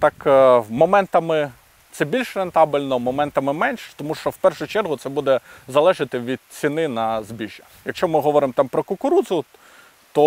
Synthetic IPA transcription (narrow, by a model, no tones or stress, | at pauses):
t̪ɑkmɔmɛnt̪ɐmɪ | t̪sɛbʲilʲʃɾent̪ɑbɪlʲnɔmɔmɛnt̪ɐmɪmɛnʲʃt̪ɔmuʃt͡ʃɔwpɛrʃʊt͡ʃɛrɦʊt̪sɛbud̪ɛzɐlˠɛʒɪt̪ɪʋʲid̪̥̚t͡sʲinɪnɐzbʲiʒʲɐ | jɐkʃt͡ʃɔmɪɦɔʋɔɾɪmt̪ɑmpɾɔkʊkʊɾuzʊ | t̪ɔ